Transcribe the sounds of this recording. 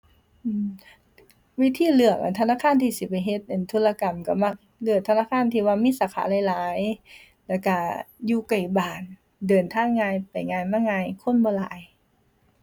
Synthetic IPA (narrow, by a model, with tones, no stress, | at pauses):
ʔɯː˧˨m | wi˧˥t̪ʰiː˧˥˨lɯ˧˩ək̚ʔa̰˧˩t̪ʰa˧naː˧˥˨kʰaː˧˥˨nt̪ʰiː˧˩si˧˦pa˨˩jɦe˧˦t̪̚ʔa˧˩˨nt̪ʰu˧˥laː˧ka˨˩mka˧˩ma˧˥k̚ | lɯ˧˩əkt̪ʰa˧naː˧˥˨kʰaː˧˥˨nt̪ʰiː˧waː˧miː˧˥˨saː˧˦˩kʰa̰ː˨˦la˧˦jlaː˨˦j | lɛ˧˩ka˧˩juː˧ka˨˩jbaː˨˩n | dɤː˨˩nt̪ʰaː˧˥˨ŋŋːaː˧jpa˨˩jŋaː˧jmaː˧˥˨ŋaː˧jkʰo˧˥˨nbɔː˧˦la̰ː˨˦j